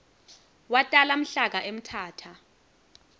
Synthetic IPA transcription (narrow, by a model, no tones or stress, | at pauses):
watʼalam̩ɬak̬aʔem̩tʰaːtʰa